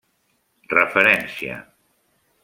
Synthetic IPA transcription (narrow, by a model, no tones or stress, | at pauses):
rəfəɾɛnsia̰